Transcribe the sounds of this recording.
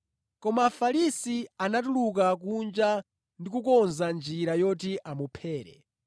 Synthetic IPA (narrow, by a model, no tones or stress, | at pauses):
kɔmaːfalisianat̬uluk̬ak̬und͡ʒa | ndikukɔnzand͡ʒiɾajɔtiʔamupʰɛːɾɛ̰